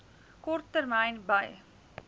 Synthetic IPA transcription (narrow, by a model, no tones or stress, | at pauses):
kɔrtːərmɐjnbɐj